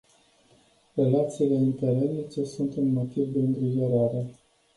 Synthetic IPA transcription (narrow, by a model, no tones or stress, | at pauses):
re̞lat̪siːle̞int̪eɾenit͡ʃe̞sunt̪unmo̞t̪ivd̪eəŋɡ̪ɾiʒoɾaɾe